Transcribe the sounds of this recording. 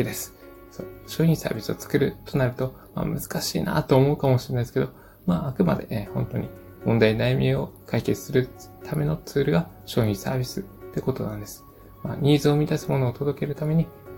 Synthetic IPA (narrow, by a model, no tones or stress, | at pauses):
id̪esɨ̥ | so̰ːɕo̞ːĩsa̰ːbʲisɨot͡sɨ̥kɯ̟ɾɯ̟t̪o̞naɾɯ̟t̪o̞ | ma̰ːmɯ̟zɨ̥kaɕḭːna̰t̪oːmoɯ̟kamo̞ɕiɾenasɨ̥ke̞d̪o̞ | maːkɯ̟ma̰d̪e̞̰hõ̞nt̪o̞̰ɲ̟i | mõ̞nd̪ainaimʲio̞kʰaike̞t͡sɨ̥sɨɾɯ̟t̪ʰame̞no̞t͡sɨːɾɯ̟ɡa | ɕo̞ːɲʲĩɰsa̰ːbʲisɨt̪ːe̞ko̞t̪o̞nãnd̪e̞sɨ̥ | ma̰ːɲ̟ʲiːzɨomʲid̪asɨmo̞no̞ːt̪o̞d̪o̞ke̞ɾɯ̟t̪ame̞ɲ̟i